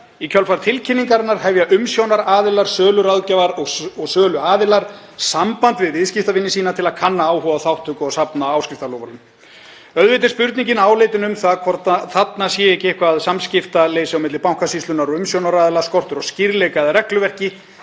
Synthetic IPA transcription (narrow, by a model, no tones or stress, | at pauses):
icʰœlfaɾt̪ʰɪlcʰɪnːiŋkaɾɪnːaɾ̥hɛvjaʔʏmsjownaɾaːðɪlaɾ̥sœːlʏɾawðcɛvaɾɔɣɔɣsœːlʏaːðɪlaɾ̥ | sampant̪vɪðvɪðscɪft̪avɪnːɪsiːnat̪ʰɪlaðkʰanːaaːwhɔvaθawht̪ʰʏkɔɣsapnaaːwscɪft̪alɔvalʏm | œðvejt̪ɪ̥spʏɾt̪niɲcɪnaːwleːjt̪ɪnʏmθaðkʰvɔr̥t̪aθat̪nasjɛːɛcɪɛhkvaðsamscɪft̪aleːjsɪawmɪt̪lɪpawŋ̥kasist̪lʏnaɾɔɣʏmsjownaɾaːðɪlaɾ̥skɔr̥t̪ʏɾɔɣscɪɾlɛjkaðrɛklʏvɛr̥cɪ